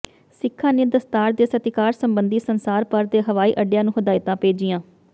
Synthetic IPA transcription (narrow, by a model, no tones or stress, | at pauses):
sɪkʰːãːneːd̪əst̪aːɾd̪eːsət̪ɪkaːɾsəmbənd̪iːsənsaːɾpəɾd̪eːɦəʋaːiːʔəɖjãːnũːɦəd̪aːɪt̪ãːpeːd͡ʒɪjãː